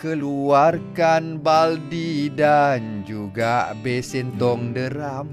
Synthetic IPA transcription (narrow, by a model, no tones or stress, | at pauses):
kəluarkanbaldidand͡ʒuɡabɛsɛnt̪ɔŋdəɾam